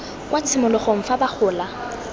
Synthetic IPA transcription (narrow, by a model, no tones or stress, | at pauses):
kʼwat͡sʰɪmʊlʊχoŋ̩fabak͡xʰʊːla